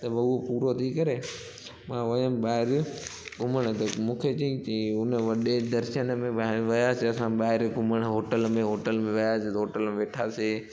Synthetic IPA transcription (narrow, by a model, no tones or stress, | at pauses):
t̪ɐbɐuɦopuːɾot̪ʰikɐɾe | mãːʋɐəmɓaːɦɪɾɡʱʊməɽ̃ət̪ɐmũːkʰet͡ɕɐĩiʊnəʋɐɗed̪ɐɾʃənmẽʋɐjaːseɐsãɓaːɦɪɾɡʱʊməɽ̃əɦoːʈəlmẽɦoːʈəlmẽʋɐjaset̪ɐɦoːʈəlmẽʋeːʈʰaːseː